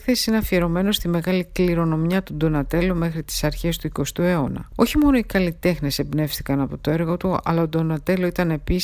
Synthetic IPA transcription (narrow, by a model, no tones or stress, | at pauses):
ekθesi̥sineɐfie̞ɾo̞me̞no̞st̪ime̞ɣɐlikliɾo̞no̞mjɐt̪ud̪o̞nɐt̪e̞lome̞xɾit̪i̥sɐɾçe̞st̪uiko̞st̪ue̞o̞nɐ̰o̞çimo̞no̞ikɐlit̪e̞xne̞se̞bne̞fθikɐnɐpo̞t̪o̞eɾɣo̞t̪uɐ̰lɐod̪o̞nɐt̪e̞loit̪ɐne̞pis